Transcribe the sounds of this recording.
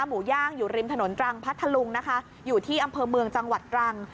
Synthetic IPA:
muː˩˦jaː˥˩ŋjuː˨˩ɾi˧mt̪ʰno˩˦nt̪ɾa˧ŋpʰa˦˥t̪ʰːa˧lu˧ŋna˦˥kʰa˦˥ | juː˨˩t̪ʰiː˥˩ʔa˧mpʰɤː˧mɯ˧əŋt͡ɕa˧ŋwa˨˩t̪̚ːɾa˧ŋ

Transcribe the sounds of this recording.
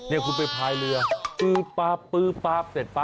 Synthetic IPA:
ni˥˩əkʰu˧np̬a˧jt̪ʰaː˧jlɯ˧ɐpɯː˦˥˩paː˦˥˩pːɯː˦˥˩paː˦˥˩p̚se˨˩t̪̚pa˦˥

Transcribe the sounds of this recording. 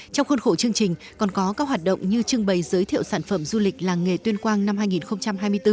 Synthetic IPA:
t͡ɕɔ˧wŋ͡mxə˧nxo˧˩t͡ɕɨ˧əŋt͡ɕï˨˩ŋ̟ | kɔ˨˩nkɔ˨˦kaː˦˥k̚ɦwaː˨˩t̚ɗə̰˧˨wŋ͡mɲɨ˧t͡ɕɨ˧əŋɓə˨˩jzəː˨˦jt̪ʰḭ˧˨əwsaː˧˩nfə˧˩mzu˧lï˨˩k̟̚laː˨˩ŋe˨˩t̪wi˧ənkwaː˧nna˧mhɦaː˧jŋi˨˩nxə˧wŋ͡mt͡ɕa˧mɦaː˧jmɨ˧əjt̪ɨ˧

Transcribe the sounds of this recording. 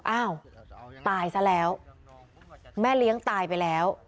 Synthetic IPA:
ʔaː˧˥˩wt̪aː˧˩jsa˧˥lɛː˦˥w | mɛː˥˩li˦˥əŋt̪aː˧jpa˧jlɛː˦˥w

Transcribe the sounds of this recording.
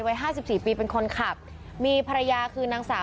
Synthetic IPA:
wa˦˥jɦaː˥˩si˨˩p̚siː˨˩piː˧pe˧nkʰo˧nkʰa˨˩p̚ | miː˧pʰa˧ɾa˧jaː˧kʰɯː˧naː˧ŋsaː˨˩˦

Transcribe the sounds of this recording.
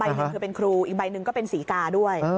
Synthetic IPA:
ba˧˨jnɯ˩˦ŋʰɯː˧˩pe˧nkʰɾuː˧ʔiː˨˩k̚ba˧jnɯ˨ŋkɔː˥˩pe˧nsiː˩˦kaː˧du˥˩əj

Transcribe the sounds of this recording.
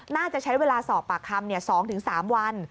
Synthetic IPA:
naː˥˩t͡ɕa˨˩t͡ɕʰa˦˥jweː˧laː˧sɔː˨˩p̚pːaː˨˩kʰːa˧mni˥˩ɐsɔː˩˦ŋt̪ʰɯ˩˦ŋsaː˩˦mwa˧n

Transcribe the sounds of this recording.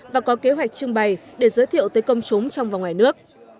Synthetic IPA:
vaː˨˩kɔ˨˦ke˨˦ɦwa˨˩jk̟̚t͡ɕɨ˧əŋɓa˨˩jɗe˧˩zəː˨˦jt̪ʰḭ˧˨əwt̪əː˨˦jkə˧wŋ͡mt͡ɕʊ˨˦ŋ͡mt͡ɕɔ˧wŋ͡mvaː˨˩wŋwaː˨˩jnɨ˦˥ək̚

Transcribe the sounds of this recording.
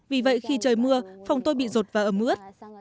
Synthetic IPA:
vi˨˩və̰˧˨jxi˧t͡ɕəː˨˩jmɨ˧əfa˨˩wŋ͡mt̪o˧jɓḭ˧˨zo˨˩t̚vaː˨˩ʔəː˧˩mʔɨ̰˧˥ət̚

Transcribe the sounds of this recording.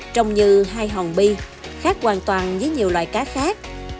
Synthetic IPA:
t͡ɕə˧wŋ͡mɲɨ˧ɦaː˧jɦɔ˨˩nɓi˧ | xaː˦˥k̚kwaː˨˩nt̪waː˨˩nvəː˨˦jɲi˨˩wlwa̰ː˨jkaː˨˦xaː˦˥k̚

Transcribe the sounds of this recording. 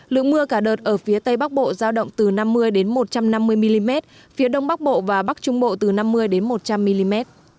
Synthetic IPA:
lɨ̰˧˨ŋmɨ˧əkaː˧˩ɗəː˨˩t̚ʔəː˧˩fi˨˦ət̪ə˧jɓa˦˥k̚ɓo̰˧˨zaː˧wɗə̰˧˨wŋ͡mt̪ɨ˨˩na˧mːɨ˧əjɗe˨˦nmo˨˩t̚t͡ɕa˧mna˧mːɨ˧əjmi˧li˧mɛ˦˥t̚ | fi˨˦əɗə˧wŋ͡mɓa˦˥k̚ɓo̰˧˨vaː˨˩ɓa˦˥k̚t͡ɕʊ˧˦ŋ͡mɓo̰˧˨t̪ɨ˨˩na˧mːɨ˧əjɗe˨˦nmo˨˩t̚t͡ɕa˧mːi˧li˧mɛ˦˥t̚

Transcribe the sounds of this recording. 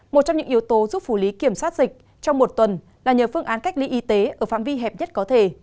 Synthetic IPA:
mo˨˩t͡ɕɔ˧ŋ͡mɲɨ̰˧˥ŋʔi˨˦əwt̪o˨˦zu˦˥p̚fu˧˩li˨˦ki˧˩əmswaː˦˥t̚zï˨˩k̟̚ | t͡ɕɔ˧wŋ͡mmo˨˩t̚t̪wə˨˩n | laː˨˩ɲəː˨˩fɨ˧əŋʔaː˨˦nka˦˥jk̚li˨˧˦ʔi˨˦t̪e˨˦ʔəː˧˩fa̰ː˧˨mvi˧ɦɛ˨˩p̚ɲə˦˥t̚kɔ˨˦t̪ʰe˧˩

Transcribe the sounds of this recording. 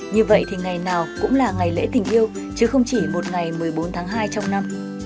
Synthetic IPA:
ɲɨ˧və̰˧˨jt̪ʰi˨˩ŋa˨˩jnaː˨˩wkʊ̰˧˥ŋ͡mlaː˨˩ŋa˨˩jlḛ˧˥t̪ï˨˩ŋ̟ʔi˧əw | t͡ɕɨ˨˦xə˧wŋ͡mt͡ɕi˧˩mo˨˩t̚ŋa˨˩jmɨ˨˩əjɓo˨˦nt̪ʰaː˨˦ŋɦaː˧jt͡ɕɔ˧wŋ͡mna˧m

